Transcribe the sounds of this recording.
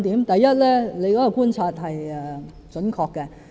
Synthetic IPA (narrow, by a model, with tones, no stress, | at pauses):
t̪iː˨˥mt̪ɐ˨jjɐ˥t̚lɛ˥le˨˧jkɔː˨˥kɔː˧kuː˥nt͡sʰaː˧t̚ɦɐ˨jɛ˨ | t͡sɵ˨˥nkʰɔː˧kːɛ˧